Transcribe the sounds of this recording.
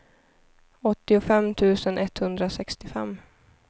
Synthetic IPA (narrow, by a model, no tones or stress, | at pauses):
ɔt̪ːɪʊfɛmːt̪ʰʉ̟ːsənʔɛt̪hɵnd̪ɾasɛkst̪ɪfɛ̰mː